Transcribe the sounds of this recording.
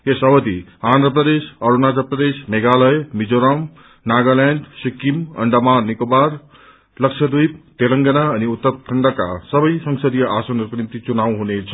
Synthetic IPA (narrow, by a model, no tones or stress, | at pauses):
esəʋəd̪iãːnd̪ɾəpɾəd̪esɐɾunad͡zəpɾəd̪esmeɡaləjmid͡zoɾam | naɡalɛnɖsikimɐ̰ɳɖəmanikobaɾ | ləkʃʰəd̪ujp̚t̪eləŋɡɐnaɐniut̪ːəɾkʰəɳɖaka̰səbəjsəŋsəd̪ijɐʔasonɐɾknint̪it͡sunaʋɦunet͡sʰʌ̥